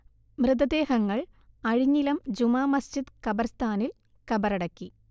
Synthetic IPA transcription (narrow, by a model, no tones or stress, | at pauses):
mrɨd̪ɐd̪e̞ːhɐŋːɐɭ | ɐɻiɲːilɐmd͡ʑumaːmɐst͡ɕid̪kɐbɐrst̪ʰaːnil | kɐbɐɾɐɽɐkːi